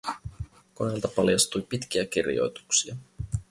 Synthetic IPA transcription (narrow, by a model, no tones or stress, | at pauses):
ko̞nelt̪ɑpɑljɑst̪ujpit̪k̟iæk̟irjo̞̰jt̪u̥ksiɑ